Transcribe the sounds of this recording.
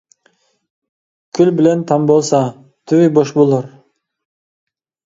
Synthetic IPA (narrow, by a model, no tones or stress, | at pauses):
kʰylbɪlent̪ʰɑmbolˠsɑ | t̪ʰyβiboʃbolˠoɾ